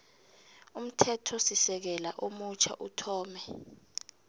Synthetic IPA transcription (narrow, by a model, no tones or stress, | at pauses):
um̩tʰɛtʰɔsisɛk̬ɛla̰ʔomut͡ʃʰa̰ʔutʰɔːmɛ